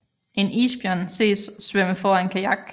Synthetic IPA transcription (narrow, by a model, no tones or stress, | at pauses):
e̝nḭːsb̥jœnse̝̰ːssʋøməfɒenkʰæjɑɡ̥̚